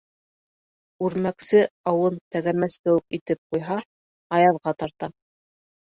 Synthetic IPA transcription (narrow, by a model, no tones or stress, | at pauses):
ʉɾmæksɘɑwɤnt̪æɡæmæskɘ̆wɘkit̪ɘp̚qujɦɑ | ɑjɑðʁɑt̪ɑɾt̪ɑ